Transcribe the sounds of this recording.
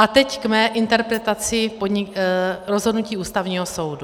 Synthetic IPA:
ʔat̪ɛckmɛːʔɪnt̪ɛɾpɾɛt̪at͡sɪpodɲɪɾozɦo̞dnuciːʔuːst̪avɲiːɦoso̞wdu

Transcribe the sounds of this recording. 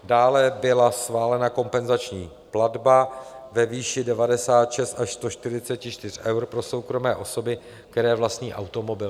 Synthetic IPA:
daːlɛbɪlasxvaːlɛnako̞mpɛnzat͡ʃɲiː | pladbavɛviːʃɪdɛvadɛsaːt̪ʃɛst̪aʃst̪o̞ʃt̪ɪɾɪt͡sɛcɪʃt̪ɪr̝̥ʔɛwɾpɾo̞so̞wkɾo̞mɛːʔo̞so̞bɪ | kkt̪ɛɾɛːvlast̪ɲiːʔa̰wt̪o̞mo̞bɪl

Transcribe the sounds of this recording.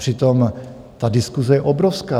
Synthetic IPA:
r̥ɪt̪om | t̪adɪskuzɛjɛʔobɾofskaː

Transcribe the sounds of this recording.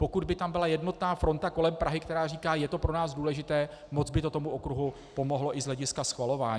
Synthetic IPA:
po̞kud̪̚bɪt̪ambɪlajɛdno̞t̪naːfɾo̞nt̪ako̞lɛmpɾʔaɦɪkt̪ɛɾaːriːkaːjɛt̪o̞pɾo̞naːzduːlɛʒɪt̪ɛː | mo̞d͡zbɪt̪o̞t̪o̞muʔokɾuɦu | po̞mo̞ɦlo̞ʔɪzlɛɟɪskasxvalo̞vaːɲ

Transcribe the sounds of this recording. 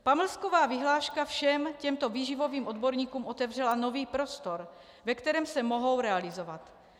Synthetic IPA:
paml̩skovaːvɪɦlaːʃkafʃɛmcɛmt̪o̞viːʒɪvo̞viːmʔod̪bo̞ɾɲiːkuːmʔo̞t̪ɛvr̝ɛlano̞viːpɾo̞st̪o̞ɾ | vɛkt̪ɛɾɛːmsɛmo̞ɦo̞wɾɛalɪzovat̪

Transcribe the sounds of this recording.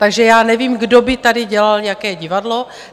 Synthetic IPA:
t̪aɡʒɛjaːnɛviːmɡdobɪt̪adɪɟɛlalɲakɛːɟɪvadlo

